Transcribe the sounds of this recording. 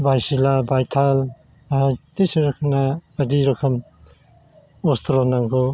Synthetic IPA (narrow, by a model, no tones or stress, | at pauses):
bʱajsilabʱajt̪ʰal | t̪eseɾɐkʰɐnaɐd̪iɾɐkʰɐm | ost̪ɾonaŋkʰo